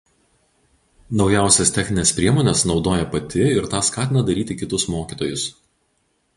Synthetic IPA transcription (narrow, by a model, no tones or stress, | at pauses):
nɒʊjæˑʊsʲɛst̪ʲɛxʲnʲɪnʲeːspʲɾʲiɛmoːnʲɛsnɒʊd̪oːjɛpɐt̪ʲɪɪɾt̪ɑːskɑːt̪ʲɪnɐd̪ɐɾʲiːt̪ʲɪkʲɪt̪ʊsmoːkʲiːt̪oːjʊs